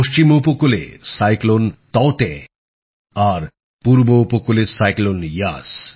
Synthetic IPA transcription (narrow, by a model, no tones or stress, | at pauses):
oʃt͡ɕimupokulḛsajklont̪ɔwt̪e | aɾ | puɾboupokulesajklonjas